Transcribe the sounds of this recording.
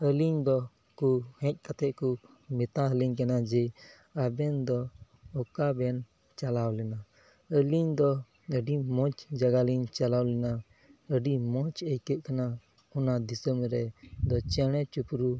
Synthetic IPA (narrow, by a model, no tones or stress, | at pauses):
əliɲd̪ɔ | kuhɛ̃c̚ˀkat̪ɛʔku | mɛt̪aəliɲkanad͡ʒɛ | abɛnd̪ɔ | ɔkabɛn | t͡ʃalawlɛna | əliɲd̪ɔ | əɖimɔ̃t͡ʃd͡ʒaɡaliɲt͡ʃalawlɛna | əɖimɔ̃t͡ʃəjkət̪̚kana | unad̪isəmɾɛd̪ɔt͡ʃɛɽ̃ɛ̃t͡ʃupɾu